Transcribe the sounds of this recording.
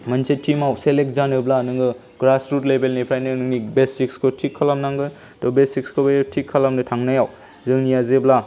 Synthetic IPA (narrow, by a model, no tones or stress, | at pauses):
mɐnsetʰimawselek̚zanɯblanɯŋɡɯ | ɡ̥ɾasɾutlebelnipʰɾajnɯnɯŋnibesikskʰotʰikʰːalamnaŋɡɯ | tɔbesikskʰobejtʰikʰːalamnɯtʰaŋnajaw | zɯŋnijazebla